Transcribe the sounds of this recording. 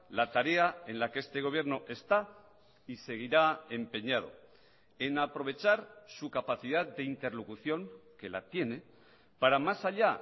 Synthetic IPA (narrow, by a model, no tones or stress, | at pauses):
lat̪aɾe̞ae̞nlakeest̪e̞ɣ̞o̞β̞jeɾno̞ʔe̞st̪a | ise̞ɣ̞iɾae̞mpe̞ɲað̞o̞̰ | e̞napɾo̞β̞e̞t͡ʃaɾsukapaθiðaðd̪e̞int̪e̞ɾlokuθjo̞ŋke̞la̰t̪je̞ne̞ | paɾamasaʎa